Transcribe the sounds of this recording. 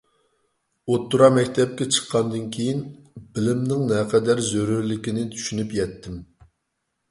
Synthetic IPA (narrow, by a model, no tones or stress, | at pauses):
ot̪ːuɾɑmɛkʲt̪ʰɛp̚kʲɛt͡ʃʰə̥qʰːɑnd̪ɨnkʲʰejinbɪlɪmnɪŋnɛqʰɛd̪æɾzøɾyɾlɪkʲinɪt̪ʰy̥ʃynypjɛt̪ʰːɪm